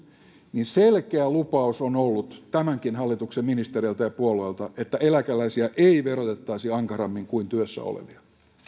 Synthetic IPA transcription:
ninselkeælupɑusonolːut̪t̪æmæŋkinhɑlːit̪uksemminist̪erilt̪ɑjɑpuolueːˑlt̪ɑʔet̪ːæelækælæisiæʔeiʋerot̪et̪ːɑisiɑŋkɑrɑmːiŋkuint̪yøsːæ̰o̰lḛʋiɑ

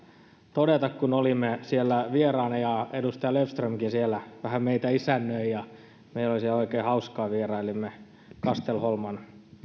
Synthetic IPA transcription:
t̪odet̪ɑkkunolimːesielːæʋierɑːnɑjɑedust̪ɑjɑlefst̪rømkinsielːæʋæhæmeit̪æisænːøijjɑ | meilolisieloikeːhɑuskɑːʋierɑilimːe | kɑst̪elholmɑn

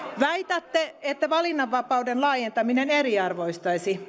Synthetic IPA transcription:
ʋæit̪ɑt̪ːeet̪ːæʋɑlinːɑʋːɑpɑudenlɑːjent̪ɑmineneriɑrʋoist̪ɑisi

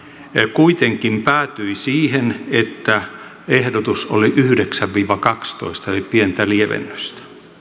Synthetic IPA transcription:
kuit̪eŋkimpæːt̪yisiːhenet̪ːæ | ehdot̪usoliʔyhydeksæʋʋiːʋɑkɑkst̪o̰ist̪ɑelippient̪ælieʋḛnːø̥st̪ɑ̥

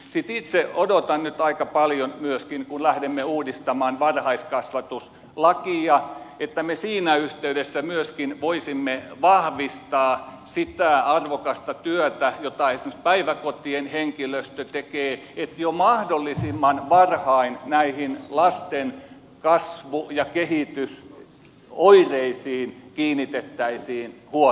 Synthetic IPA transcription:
sit̪it̪seodot̪ɑnnyt̪ɑikɑpɑljonmyøskinkunlæhdemːeuːdist̪ɑmɑːnʋɑrhɑiskɑsʋɑt̪us | lɑkiɑet̪ːæmesiːnæyht̪eydesːæmyøskinʋoisimːeʋɑhʋist̪ɑː | sit̪æˑɑrʋokɑst̪ɑt̪yøt̪æjot̪ɑesĭmøst̪̚pæiʋækot̪ienheŋkiløst̪øt̪ekeː | et̪jomɑhdolːisimːɑnʋɑrhɑinnæihinlɑst̪en | kɑsʋujɑkehit̪ys | oireisiːnkiːnːit̪et̪ːæisiːnhuo

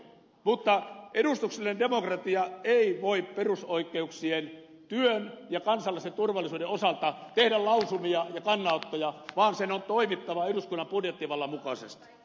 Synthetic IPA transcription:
mut̪ːɑʔeɾust̪ukselinendemokrɑt̪iɑeiʋoipperusoikːˑeuksien | t̪yønjɑkɑnsɑlːɑsent̪urʋɑlːˑisuːdeosɑlt̪ɑt̪ehdællɑusumiɑjɑkɑnːɑˑot̪ːojɑʋɑːnsenont̪oimit̪ːɑʋɑeduskunːɑmpurjet̪ːiʋɑlːɑmukɑsḛst̪i̥

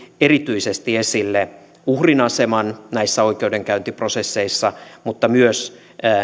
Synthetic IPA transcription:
erit̪yisest̪iesilːe | uhrinɑsemɑnnæisːæoikeudeŋkæynt̪iprosesːeisːɑmut̪ːɑmyøs

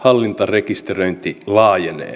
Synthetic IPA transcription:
hɑlːint̪ɑrekist̪erøjnt̪ilɑːjenḛː

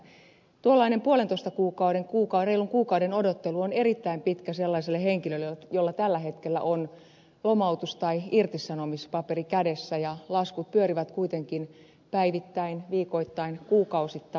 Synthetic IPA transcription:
t̪uolːɑinempuolent̪oist̪ɑkuːkɑuwdeŋkuːkɑreiluŋkuːkɑudenodot̪ːeluone̞ɾit̪ːæimpit̪kæselːɑiselːeheŋkilølːejolːɑt̪ælːæɦet̪kelːæ̰ʔon | lomɑut̪ust̪ɑiirt̪isɑnomispɑperikædesːæjɑlɑskut̪̚pyøɾiʋæt̪kuit̪eŋkin | pæiʋit̪ːæinʋiːko̞it̪ːɑinkuːkɑusit̪ː

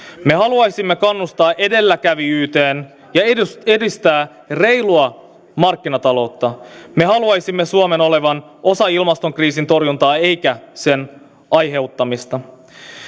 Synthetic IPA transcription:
me̞ɦɑluɑjsimːe̞kɑnːust̪ɑːʔe̞de̞lːækæʋiyːt̪e̞ːn | jɑeedist̪æː | re̞jluɑ | mɑrkːinɑt̪ɑlo̞t̪ːɑme̞ɦɑluɑjsimːesuome̞no̞le̞ʋɑn | ʔo̞sɑilmɑst̪o̞ŋkriːsint̪o̞rjunt̪ɑːe̞jkæse̞n | ʔɑjɦe̞ut̪ːɑmist̪ɑ

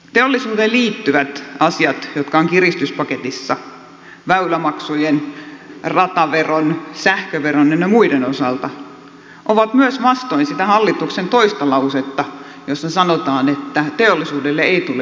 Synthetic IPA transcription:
t̪eolːisuːt̪eliːt̪ːyʋæt̪ɑsiɑt̪jot̪kɑoŋkirist̪yspɑket̪isːɑ | ʋæylæmɑksujen | rɑt̪ɑʋeronsæhkøʋeronjenɑmuidenosɑlt̪ɑ | ʔoʋɑt̪myøsʋɑst̪oinsit̪æhɑlːit̪uksent̪oist̪ɑlɑuset̪ːɑ | josːɑsɑnot̪ɑːnet̪ːæt̪eolːisuːdelːeeit̪ule

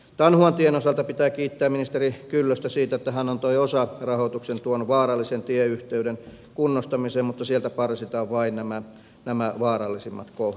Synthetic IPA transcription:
t̪ɑnhuɑnt̪ienosɑlt̪ɑpit̪æːkiːt̪ːæːminist̪erikylːøst̪æsiːt̪æet̪ːæhænont̪oiosɑrɑhot̪uksent̪uonʋɑːrɑlːisent̪ieyht̪eyɾen | kunːost̪ɑmiseːmmut̪ːɑsielt̪æpɑrsit̪ɑːʋʋɑinnæmæ | næmæʋɑːɾɑlːisimːɑ̰t̪koh

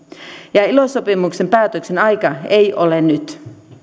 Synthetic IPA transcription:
jɑilosopimukse̞mpæːt̪økse̞nɑjkɑeijʔolennyt̪

